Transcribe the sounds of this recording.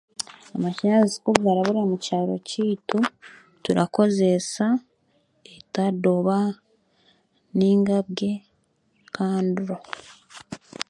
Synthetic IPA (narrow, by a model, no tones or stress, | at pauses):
amaʃinazi̥kuβvaɾaβuɾamucaːɾo̞̰ciːtu | tuɾako̞ze̞sa | etadoβa | niːŋɡaβɡe̞ | kʰaːnduɾo